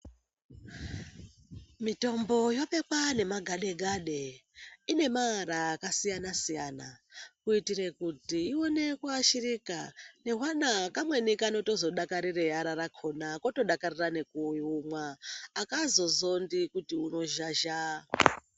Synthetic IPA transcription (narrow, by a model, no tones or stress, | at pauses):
mito̞mbo̞jo̞pe̞kwane̞maɡʱaɗe̞ɡʱaɗeine̞maɦaɾakasijanasijaːnakuitire̞kutiːo̞ne̞kwaʃirikane̞ɦwanakamwe̞nikano̞to̞zo̞ɗakaɾirejaɾaɾakʰo̞nako̞to̞ɗakarirane̞kujumwaːkazo̞zo̞ndikutiuno̞ʒaʒa